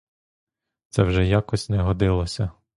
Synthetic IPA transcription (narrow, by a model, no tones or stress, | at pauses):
t̪sɛwʒɛjakɔsʲnɛɦɔd̪ɪlˠɔsʲɐ